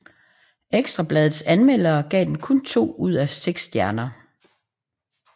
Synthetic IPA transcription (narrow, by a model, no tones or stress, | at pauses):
eɡ̥sd̥ʁɑ̈b̥lɛːðð̩ˠsænmel̰ɐːɡ̥ɛ̰ːd̥enkʰɔ̽nt͡sʰo̝̰ːuð̞̰ˠæseɡ̥sːd̥jæɐnɐ